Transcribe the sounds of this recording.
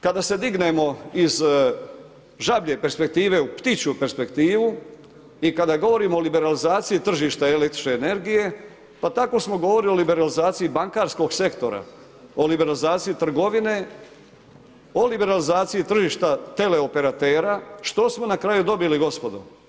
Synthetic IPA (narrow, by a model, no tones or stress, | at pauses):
kad̪ase̞d̪iɡne̞mo̞iz | ʒabʎe̞pe̞ɾspe̞k̚t̪iːʋe̞upt̪it͡ɕupe̞ɾspe̞kt̪iːʋu | ikad̪aɡo̞ʋo̞ɾiːmoolibe̞ɾalizaːt̪sijit̪r̩ʒiːʃt̪aelekt̪ɾi̥t͡ʃneːne̞ɾɡije̞ | pat̪ako̞smo̞ɡo̞ʋoɾilio̞libe̞ɾalizaːt̪siibaŋkaːɾsko̞ɡse̞kt̪o̞̰ɾa̰ | olibe̞ɾalizaːt̪sijit̪r̩ɡo̞ʋine̞ | o̞libe̞ɾalizaːt̪sijit̪r̩ʒiːʃt̪at̪e̞le̞ope̞ɾat̪e̞ːɾaʃt̪o̞smo̞nakɾajud̪o̞biliɡo̞spo̞d̪o̰